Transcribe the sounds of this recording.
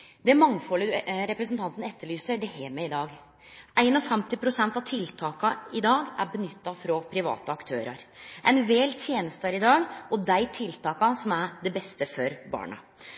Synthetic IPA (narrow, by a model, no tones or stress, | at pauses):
d̪ɛæɾmɑŋːfɔlːəʉɾɛpɾəsnt̪ʰɑnt̪nɛt̪ːəɭyːsəɖɛheːmɛɪd̪ɑːɡ | ʔæɪnɔfɛmt̪ɪpʰɾʊsɛnt̪ɑt̪ʰɪlt̪ʰɑːkɑɪd̪ɑːɡæ̰ɾbənʏt̪ːɑfɾɔpʰɾɪʋɑ̰ːt̪əɑkt̪ʰø̰ːɾɑ̰ɾʔɛɪnʋeːlt̪ʰjeːnəst̪əɾɪd̪ɑːɡɔd̪æɪt̪ʰɪlt̪ʰɑːkɑsɔmæɾɖ̪ɛbɛst̪əfɔɾbɑ̰ːɳɑ̰